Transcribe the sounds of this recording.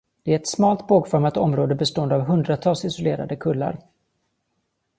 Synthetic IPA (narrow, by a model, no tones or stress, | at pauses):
d̪̥ɛæɾɛt̪smɑːlt̪boːɡfɔɾmat̪ɔmɾoːd̪əbɛst̪oːənd̪avɦɵnd̪ɾat̪ʰɑːlsɪsʊleːɾa̰d̪əkʰɵlːa̰ɾ